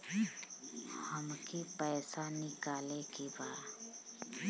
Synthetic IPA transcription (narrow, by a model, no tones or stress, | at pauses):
həmkipɛːsanɪkaːlekibaː